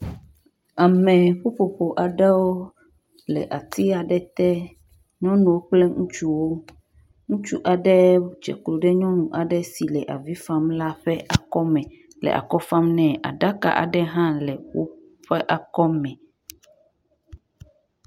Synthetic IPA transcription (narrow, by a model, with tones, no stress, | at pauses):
a˨mɛ̃˨ɸo˦ɸo˨ɸo˨ʔa˨ɖɛ˦wo˦ | lɛ̰˨ʔa˨t̪i˦a˨ɖɛ˦t̪ɛ˦ | ɲɔ̃˦nũ˨wo˦k͡plɛ˦ŋũ˦t͡ʃu˦wo˦ | ŋũ˦t͡ʃu˦ʔa˨ɖɛ˦t͡ʃɛ̰˨klo˨ɖɛ˦ɲɔ̃˦nũ˨ʔa˨ɖɛ˦si˨lɛ˨ʔa˨vi˦fa˦mla˦ɸɛ˦ʔa˨kɔ˦mɛ̃˨ | lɛ̰˨ʔa̰˨kɔ˦fa˦mnɛ̃˨ʔa̰˨ɖa˦ka̰˨ʔa̰˨ɖɛ˦ɦã˦lɛ˨wo̰˦ | ɸɛ˦ʔa˨kɔ˦mɛ̃˨